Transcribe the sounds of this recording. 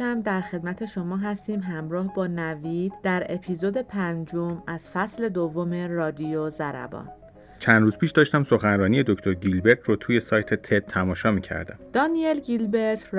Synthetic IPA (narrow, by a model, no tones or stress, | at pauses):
æmd̪æɾxe̞d̪̚mæt̪ʰe̞ʃo̞mɒːɦæst̪iːmɦæmɾɒːhbɒːnæviːd̪̥d̪æɾe̞pʰiːzod̪e̞pʰænd͡ʒomæz̥fæsle̞d̪ovːome̞ɾɒːd̪ijozæɾæ̰bɒ̰ːn | t͡ʃʰænd̪ɾuːzpʰiːʃd̪ɒːʃt̪æmso̞xænɾɒːnije̞d̪okʰt̪oɾɟilbe̞ɾt̪ʰɾot̪ʰuːje̞sɒːjt̪ʰet̪ʰet̪̚ʰːæmɒːʃɒːmiːcʰæ̰ɾd̪æ̰md̪̥ɒːnielɡilbe̞ɾt̪ʰ